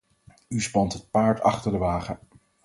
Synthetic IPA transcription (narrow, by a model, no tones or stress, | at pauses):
yspɑntɦət̚paːɹtɑ̰χtəɹdəʋaːχə